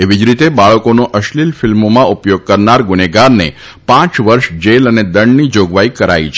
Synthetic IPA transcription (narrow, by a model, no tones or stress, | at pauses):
eʋid͡ʒɾit̪ebaɭəkonoʔəʃlilfilmomãupjoɡ̚kəɾnaɾɡuneɡaɾnḛ | pãt͡ʃʋəɾʃd͡ʒeləned̪əɳɖnid͡ʒoɡʋaikəɾa̰it͡ʃʰ